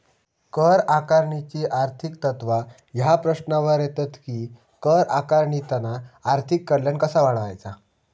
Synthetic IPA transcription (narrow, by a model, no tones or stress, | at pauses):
kəɾakaɾɳit͡ɕiʔaɾt̪ʰikt̪ət̪ʋa | ɦjapɾəɕnaʋəɾjet̪at̪kiː | kəɾakaɾɳit̪anaaɾt̪ʰikːəɾljankəsaʋaɭʋa̰jt͡sa